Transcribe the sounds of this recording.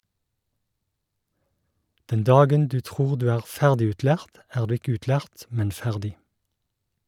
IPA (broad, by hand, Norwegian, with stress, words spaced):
ˈdɛn ˈdɑːɡən ˈdʉː ˈtʁuːʁ ˈdʉː ˈæːʁ ˈfæʁdɪʉːtˌlæːʁt ˈæːʁ ˈdʉː ˈɪk ˈʉːtˌlæːʁt ˈmɛn ˈfæʁdɪ